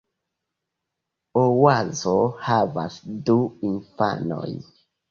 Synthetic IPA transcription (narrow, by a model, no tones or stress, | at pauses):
owazohava̰sduinfa̰no̞̰j